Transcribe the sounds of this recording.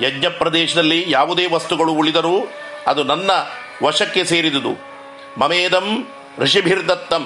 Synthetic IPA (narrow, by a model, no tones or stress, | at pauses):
jɐɡɲɐpɾɐd̪eːʃɐd̪ɐlːijaːʋud̪eːʋɐst̪uɡɐɭuːɭid̪ɐɾuː | ɐd̪unɐnːɐ | ʋɐʂɐkːe̞seːɾid̪ud̪ṵ | mɐmeːd̪ɐm | ɾiʂibʱiɾd̪ʱɐt̪ːɐm